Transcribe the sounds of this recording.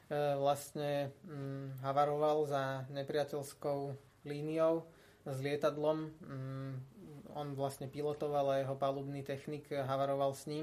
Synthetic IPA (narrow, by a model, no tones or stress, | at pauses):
ʋlast̪ɲɛ | ɦaʋaɾɔʋalzaɲɛpɾɪacɛlskɔʊ | liːnijɔʊ | zlɪɛt̪ad̪lɔm | ɔnʋlast̪ɲɛpilɔt̪ɔʋalajɛɦɔpaluːbniːt̪ɛxnikɦaʋaɾɔʋalsɲim